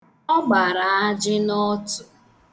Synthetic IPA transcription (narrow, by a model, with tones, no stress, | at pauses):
ɔ˦ɡ͡ba˨ɾa˨a˦d͡ʒɪ˦nɔ˦tʊ˨